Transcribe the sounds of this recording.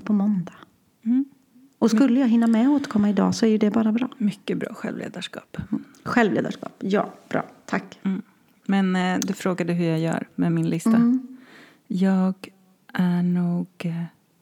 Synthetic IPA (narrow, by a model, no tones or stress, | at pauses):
pʰɔmɔnd̪ḁ | ɔskɵlːəjaːɡɦɪnːamɛoːt̪əɾkʰɔmːaɪd̪ɑ̰ːsɔæɾjɵd̪ɛbɑːɾabɾɑ̰ːmʏkːəbɾɑ̰ːɧɛ̰lvlḛːd̪aʂkɑ̰ːp | ɧɛlvlḛːd̪a̰ʂkɑ̰ːpjɑ̰ːb̥ɾɑ̰ːt̪ʰakː | mɛnd̪ɵfɾoːɡad̪əɦɵɾjajœ̰ːɾmɛmɪnlɪst̪a | jɑːɡ | ʔæɳuːɡ